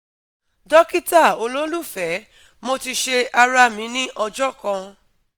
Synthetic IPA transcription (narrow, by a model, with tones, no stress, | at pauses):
dɔ˦ki˦ta˦˨o˧lo˦lu˦˨fɛ˨˦ | mo˧ti˧ʃe˧a˧ɾa˧mĩ˨˦nĩ˦ʔɔ˧d͡ʒɔ˦˨kã˧